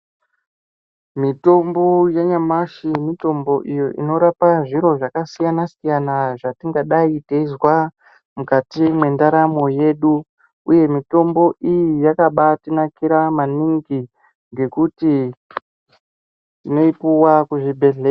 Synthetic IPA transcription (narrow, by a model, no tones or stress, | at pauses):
mito̞mbo̞jeɲamaʃimito̞mbo̞ʔijoʔḭno̞ɾapaʐiɾo̞ʐakasijanasijanaʐatiŋɡaɗaiteizwa | mukatimwe̞ndaɾamo̞je̞ɗu | uje̞mito̞mbo̞ʔijijakaɓatinakiɾamaniŋɡi | ŋɡe̞kuti | tino̞ipuwakuʐibʱe̞ɮe